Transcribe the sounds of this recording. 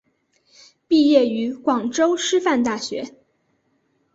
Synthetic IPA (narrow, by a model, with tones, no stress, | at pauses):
pi˥˧jɛ˥˩y˧˥kwɑ˨˩ŋʈ͡ʂo˥ʊʂɻ̩˥fa˥˧nt̪a˥˩ɕɥɛ˧˥